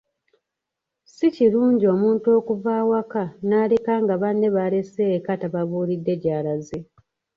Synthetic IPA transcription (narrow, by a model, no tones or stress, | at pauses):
siciɾuːɲɟio̞ːmuːntuo̞ːkuvaːwakanaːlekaːŋɡaβanːe̞βale̞seːkataβaβuːlidːe̞ɟaːlaze